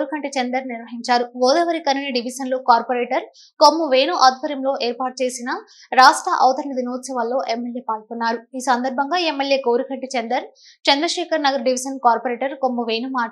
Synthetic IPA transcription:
ɾukɐɳʈit͡ʃend̪ɐɾniɾʋɐɦiɲt͡ʃaːɾuɡɔːd̪ɐʋɐɾikɐninɐɖiʋisɐnloːkaːɾpoɾeːʈɐɾ | komːuʋeːnuʔɐd̪̚ʱpɐɾjɐmlo̞ːʔeːɾpaːʈ̚t͡ʃe̞ːsinɐ | ɾaːʂʈɾɐʔɐ̰ʋɐt̪ɐɾɐnɐd̪inuːt̪sɐʋaːlːo̞ːʔemːeljeːpaːlkunːaːɾuiːsɐnd̪ɐɾbʱɐŋɡaːe̞mːeljeːkoːwɾukɐɳʈit͡ʃend̪ɐɾ | t͡ʃend̪ɾɐʂɛːkɐɾnɐɡɐɾɖiʋisɐnkaːɾpoɾeːʈɐɾkomːɐʋe̞ːnumaː

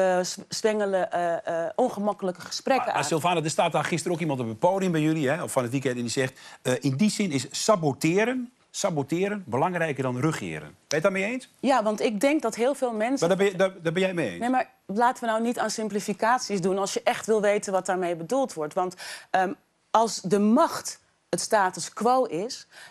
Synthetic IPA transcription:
əssʋɛŋələ | ʔɔnχəmakələkəχə̥sprɛkəaɪlˠfaːnədəstaːtaχɪstəɾokimɑntəbəpoːdɪŋbɛjøliɦɛɔfɔnətʋikɛntɛndisɛχtəɪndizɪnɪssabotɪːəɾən | sabotɪːɾənbəlɑŋrɛjkərdɔnrøχɪ̰ːəɾə̰nʋɛjtdɔtmeeːnsjaʋɑntɪɡ̚dɛŋk̚dɑtɦɪːlˠveːlˠmɛnsadbɛdɔbɛnjɛjmeḛːnejmaɹ | laːtəʋənawnitaːnsɪmplifikaːtsizdunɑlˠsjəʔɛχtʋɪlˠʋejtənʋɑt̚daːɹmejbədulˠtʋɔɹtʋɑntə | ɑlˠsdəmɑχt | ətstaːtəskʋowɪs

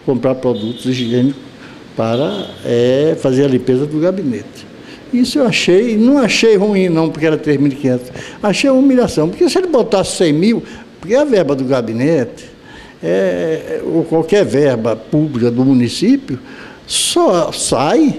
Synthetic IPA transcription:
kõmpɾaɾpɾɔd̪ut̪ʊziʒiẽnikʊ | paɾɐɛfazeɾɐlĩmpezɐd̪ʊɡabinet̪ɪ̥ | isʊewaʃejnɐ̃w̃aʃejhuĩnɐ̃w̃poɾkeɛɾɐt̪ɾezmiwikĩɲẽnt̪ʊsaʃejɐm̃umiʎasɐ̃w̃poɾkesɪelɪbot̪asɪ̥sẽj̃miwpoɾkeɐvɛɾbɐd̪ʊɡabĩnet̪ɪ̥ | ɛ | okwawkɛɾvɛɾbɐpublikɐd̪ʊmũnisipjʊ | sɔsaj

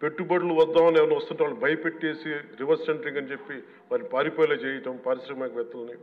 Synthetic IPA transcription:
pe̞ʈːubɐɽuluʋɐd̪ːaːmɐnɛʋɐɾnʋɐst̪unɳʈiʋaːɭːubʱɐjɐpeʈːt͡ʃeːsiɾiʋɐɾsseɳʈɾiŋɡɐnit͡ʃepːi | ʋaːɾipaːɾipoːjlɐt͡ʃeːjɐʈɐmpaːɾisɾɐmɐkɐʋɛt̪ːɐlɐni

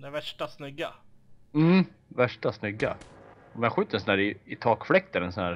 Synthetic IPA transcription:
d̪ɛvæʂʈasnʏɡam̩ː | væʂʈasnʏɡːa̰ | ɔmɛaɧʉ̟ːt̪əɾɛnsɔnæːɾɪɪt̪ʰɑːkflɛk̚t̪ɛlɛnsɔnæːɾ

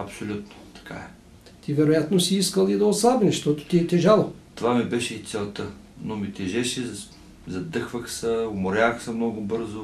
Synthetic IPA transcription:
ɐpsolʲut̪no̥t̪ɐ̥kʰa̰ɛ | t̪ivɛɾojat̪nosiiskəlˠid̪ɐoslˠabnɛʃt̪ɔt̪ʊ̥t̪iɛt̪ɛʒalˠot̪ovamibɛʃɛit̪sʲɛlˠt̪ə | nomit̪ɛʒɛʃɛ | zɐd̪ɤxvəxsəomoɾʲaxsəmnɔɡʊbɤɾzʊ

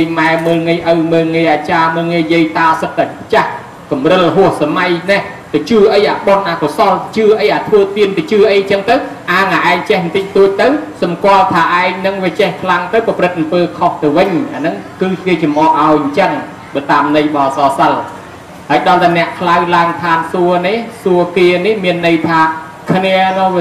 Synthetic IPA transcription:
jmaɛməːlŋiəjʔəwməːlŋiəjʔaːt͡ɕaːməːlŋiəjiəjt̪aːsɨt̪̚ːapʰt͡ɕah | kɑmrɨlːɦʊəhsamajnɛ | t̪ɨt͡ɕɨəʔəjʔaːɓonʔaːkosɑlt͡ɕɨəʔəjʔaːt̪ʰʋəːt̪iənt̪ɨt͡ɕɨəʔəjɲt͡ɕəŋt̪ɨw | ʔaːŋʔaːʔaɛŋt͡ɕɛhnt̪ɨc̚t̪uːc̚t̪ɨwsɑmkŏəlt̪ʰaːʔaɛŋnɨŋʋiət͡ɕɛhkʰlaŋt̪ɨwpɑprɨt̪̚ʔɑmpəːkʰoht̪ɨwʋɨɲʔaːnɨŋkɨːkeːt͡ɕɑmʔɑːʔ̚ʔaɔjɲt͡ɕəŋ | ɓaːt̪aːmnɨjɓɑːsɑːsəl | haəjɗɑlt̪anɛ̆əʔkʰlawlaəŋt̪ʰaːnsuənihsuəkeːnihmiənːɨjt̪ʰaː | kʰniənɔ

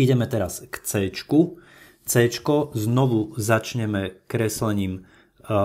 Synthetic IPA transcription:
iɟɛmɛt̪ɛɾaskt͡sɛːt͡ʃku | t͡sɛt͡ʃkɔznɔʋuzat͡ʃɲɛmɛkɾɛslɛɲiːm

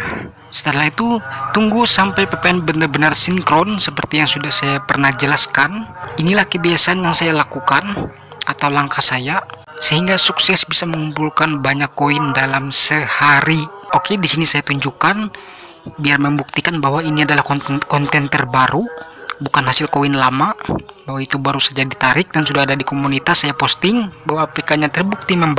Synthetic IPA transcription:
sə̥t̪əlait̪ut̪uŋɡusampajpəpɛnbənarbənarsiŋkɾɔnsəpərt̪ijaŋsudahsajapərnahd͡ʒəlaskaninilahkəbiasaanjaŋsajalakukan | a̰t̪awlaŋkasaja | səhiŋɡasuksɛsbisaməŋumpulkanbaɲakːoindalamsəhaɾiokedisinisajat̪uɲd͡ʒukan | biarməmbuk̚t̪ikanbaɦwainiadalahkɔkɔnt̪ɛnt̪ərbaɾubukanhasilkoinlamabaɦwait̪ubaɾusad͡ʒadit̪aɾɪk̚dansudahadadikomunit̪asːajapɔst̪ɪŋbawaːplikaɲat̪ərbuk̚t̪iməmb

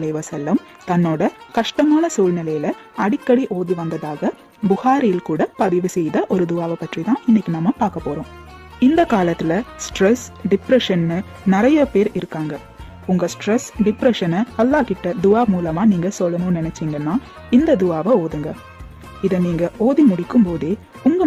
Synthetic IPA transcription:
lɐɪʋɐsɛlːɐm | t̪ɐnːoːɽɐkɐʂʈɐmaːlɐsuːlnɪlɐjɪlɐ | ɐɽɪkːɐɽiʔoːðiʋɐnd̪ɐðaːɣɐ | bʊhaːɾɪjɪlkuːɽɐpɐðɪʋɯsɛjðɐʔɔɾɯd̪ʊaːʋɐpːɐʈrit̪ãːʔɪnːɪkʲːinɐmːɐpaːɾkɐpːoːɾõː | ɪnd̪ɐkaːlɐt̪ːɪlɐsʈɾɛsɖɪpɾɛʂɐnːɯ | nɪɾɐjɐpeːɾɪɾɯkːaːŋɡɐ | ʊŋɡɐsʈɾɛsɖɪpɾɛʂɐnɐɐlːaːkɪʈːɐd̪ʊaːmuːlɐmaːniːŋɡɐsɔlːɐnɯ̃ːnɪnɛt͡ʃːɪŋɡɐnːaː | ɪnd̪ɐd̪ʊaːʋɐoːðɯŋɡɐ | ɪðɐniːŋɡɐʔoːðimʊɽɪkːɯmpoːðeː | ʊŋɡɐ

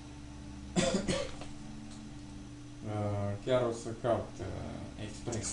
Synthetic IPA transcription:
əkʲaɾosəkaut̪ḛkspɾes

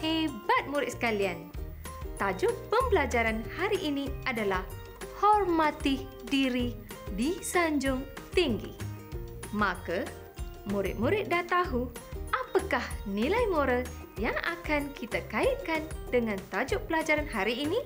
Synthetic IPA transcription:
hebat̪̚muɾɪt̪̚sə̥kalian | t̪ad͡ʒʊʔ̚pəmbəlad͡ʒaɾanhaɾiʔiniadalah | hɔrmãt̪ɪh | diɾi | disaɲd͡ʒʊŋt̪iŋɡḭ | mãka | muɾɪ̰t̪̚muɾɪt̪̚daht̪aɦuʔapakahnilajmoɾal | jaŋa̰kankʰit̪akait̪̚kandəŋãnt̪ad͡ʒʊʔ̚pəlad͡ʒaɾanɦaɾiːni

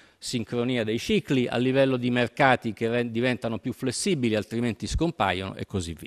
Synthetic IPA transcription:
siŋkɾoniːad̪ejt͡ʃikliʔa̰lːivɛlːod̪imerkaːt̪ik̟eɛd̪ivɛnt̪anopjuflesːiːbilialt̪ɾiment̪iskompa̰jono̰ʔḛkːozivːḭː

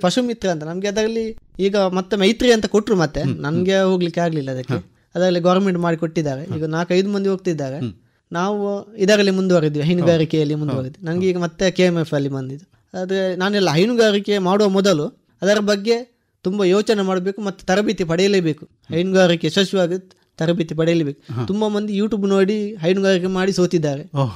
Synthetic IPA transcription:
pɐʂumit̪ɾɐɐnt̪̬ɐnɐmɡeɐd̪ɐɾɐlːiiːɡɐmɐt̪ːemɐjt̪ɾiɐnt̪ɐkoʈːɾumɐt̪ːe̞nɐnɡeɦoːɡɐlikːaːɡɐlilːɐːd̪ɐkːe | ɐd̪aːɐlːiɡɐːɾmeɳʈmaːɽikoʈːid̪ːaːɡɐiːɡɐnaːkɐjd̪umɐnd̪iɦoːɡ̚t̪id̪ːaːɡɐ | naːʋuid̪aːɡɐlːemund̪uʋaːɡid̪ːiʋiɦɐjnuɡaːɾikɛjɐlːimund̪uʋaːɡid̪ːinɐnɐɡeiːɡɐmɐt̪ːe̞keːemefɐlːibɐnd̪id̪u | d̪naːnuɛlːɐɦɐjnuɡaːɾikemaːɽuʋɐmɔd̪ɐlu | ɐd̪ɐɾɐbɐɡːe̞ | t̪umbɐjoːt͡ʃɐnemaːɽɐbeːkumɐt̪ːu̥t̪ɐɾɐbit̪ipɐɽɛjɐlebe̞ːku̥ | hɐjnuɡaːɾikeʃɐʃjɐʋaːɡi | t̪ɐɾɐbit̪ip̬ɐɽɛjɐlebe̞ːku̥t̪umbɐmɐnd̪ijuːʈuːbnoːɽiɦɐjnuɡaːɾikemaːɽisoːt̪id̪ːaːɾe

